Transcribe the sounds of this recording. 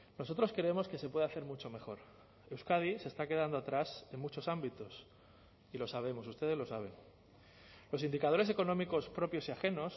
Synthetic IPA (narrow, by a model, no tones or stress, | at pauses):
no̞so̞t̪ɾo̞skɾe̞emo̞ske̞se̞pwe̞ðaθe̞ɾmut͡ʃo̞me̞xo̞ɾ | e̞wskaðise̞st̪ake̞ð̞and̪oat̪ɾase̞ŋmut͡ʃo̞sambit̪o̞s | ilo̞saβ̞e̞mo̞s̬ust̪e̞ð̞elo̞saβ̞e̞n | lo̞sind̪ikað̞o̞ɾes̬e̞ko̞nõ̞miko̞spɾo̞pjo̞siaxe̞no̞s